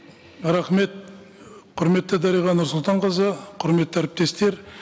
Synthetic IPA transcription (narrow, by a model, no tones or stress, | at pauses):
ɾɑχme̞t̪̚ | qʰʊɾme̞t̪ːəd̪ɑɾijʁɑnʊɾsʊlˠt̪ɑɴqəzəqʰʊɾme̞t̪ːææɾɪp̚t̪e̞st̪e̞ɾ